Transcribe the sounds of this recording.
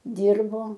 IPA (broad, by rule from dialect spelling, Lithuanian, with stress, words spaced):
ˈdʲiːrboː